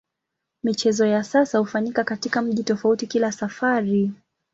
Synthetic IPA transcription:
mit͡ʃɛzɔjasasahufaɲikakatikam̩ʄitɔfautikilasafaɾi

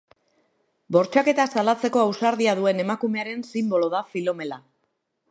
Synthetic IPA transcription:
bo̞ɾt͡ʃake̞t̪asalat͡se̞ko̞awsaɾðiaðue̞ne̞makume̞aɾe̞nsimbo̞lo̞ðafilo̞me̞la

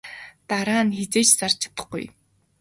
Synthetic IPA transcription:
t̪aɾaːnxet͡seːt͡ɕsar̥t͡ɕʰḁt̪ə̥̆χɡṵj

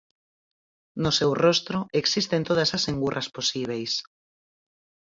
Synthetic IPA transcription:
nosewrost̪ɾoeksist̪ent̪oð̞asasẽŋɡurʔasposiβ̞ejs

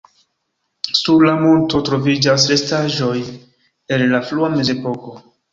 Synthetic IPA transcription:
suɾlamulto̞tɾo̞vid͡ʒas̬ɾe̞staʒo̞j | e̞nlafluame̞ze̞po̞ko̞

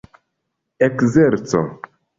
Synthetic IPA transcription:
ekzeɾt͡so̰

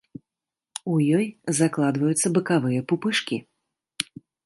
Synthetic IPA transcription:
ujɔjzaklˠad̪vɐjut̪sːɐbɨkavɨjɐpupɨʂkʲḭ

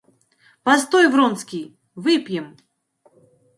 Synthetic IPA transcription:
past̪ojvrɔnskʲij | vɨpʲjɛm

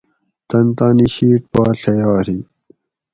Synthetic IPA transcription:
t̪ɐnt̪aːniɕiːʈ̚pɑːɬɐjɑːɾi

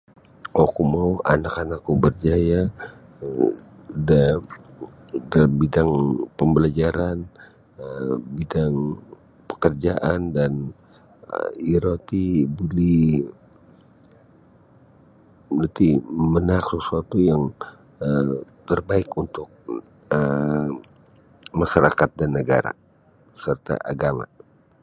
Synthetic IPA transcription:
okumauʔa̰nakanakːubərd͡ʒaja | uda | dalambidaŋpəmbəlad͡ʒaɾan | əbidaŋ | pə̥kərd͡ʒaʔandan | iɾot̪ibuli | nant̪imənaksəsuat̪ujaŋ | ət̪ərbaɪkunt̪ʊk̚ | ə | maʃaɾakat̪̚danːəɡa̰ɾa̰ | sərt̪a̰ʔaɡama̰

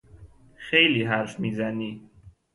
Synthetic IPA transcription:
xejliːɦæɾfmiːzæniː

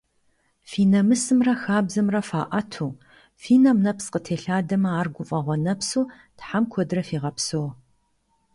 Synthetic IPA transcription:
fiːnɐmɨsɨmrɐxaːbzɐmrɐfaːʔɐtʰuː | fiːnɐmnɐpsqətʰeːɬaːdɐmɐaːrɡʷʊfʼɐʁʷɔnɐpsuː | tħamkʷʰɔdrɐfiːʁɐpsow

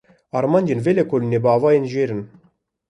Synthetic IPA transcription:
ɑɾmɑnʲd̪ʲenvelʲekolʲnebɑːvɑjenʒeɾɘ̆n

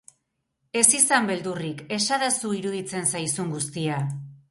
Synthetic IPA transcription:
e̞sisambe̞ld̪urike̞ʃaðasuiɾuðit͡se̞nsajsuŋɡust̪ia

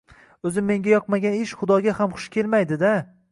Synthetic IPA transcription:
ɵzɪmːe̞ŋɡʲajɒqmaɡʲanɪʃχʊd̪ɒɡʲahamχʊ̥ʃkʲʰe̞lmajd̪ɪd̪a

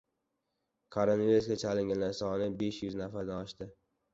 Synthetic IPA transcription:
kʰaɾonvijusɡʲat͡ʃʰalɪŋɡʲanlaɾsɒnɪbeʃjʊznafaɾd̪anɒʃt̪ɪ

